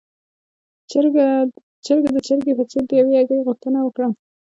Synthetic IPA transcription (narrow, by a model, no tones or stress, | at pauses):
t͡ʃəɾɡad̪ət͡ʃəɾɡepət͡seɾd̪əjawejɑɡaɣuxt̪ənawəkɽa